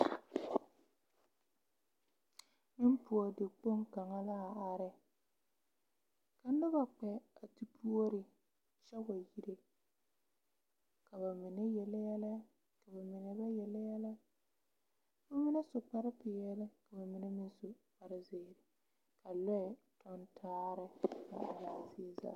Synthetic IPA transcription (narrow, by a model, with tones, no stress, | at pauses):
mɪ˦m˦pʊ˨o˨dɪ˨k͡po˦ŋka˨ŋa˦la˦a˨a˨ɾɪ˦ | ka˨n˦dʊ˦ba˨k͡pɛ˨a˨ti˦pu˦o˦ɾɪ˨ | t͡ʃɛ˦wa˨ji˦ɾe˦ | ka˨ba˨mɪ˨ne˦jɛ˨ljɛ˦lɛ˦ | ka˨ba˨mɪ˨ne˨ba˦jɛ˨lɛ˦jɛ˦lɛ˦˨˦ | ba˦mɪ˦ne˦sʊ˨k͡pa˦ɾɪ˦pɪ˨jɛ˦lɛ˦ka˨ba˨mɪ˨ne˦mɪ˦nsʊ˨k͡pa˨ɾɪ˦zeː˨ɾɪ˨ | ka˨lɛ˦ɪ˨ | tʰɔ˦ntʰaː˦ɾɪ˦ba̰˨a˨la˨sɪ˦za̰˨